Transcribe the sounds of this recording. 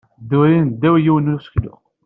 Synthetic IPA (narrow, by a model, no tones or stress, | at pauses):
d̪uɾind̪æwjiwnusklʊ̰